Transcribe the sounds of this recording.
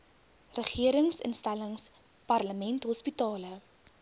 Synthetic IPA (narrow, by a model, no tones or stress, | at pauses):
rəχiəɾəŋsə̰nstæləŋs | pɐrləmɛntɦɔspitɑːlə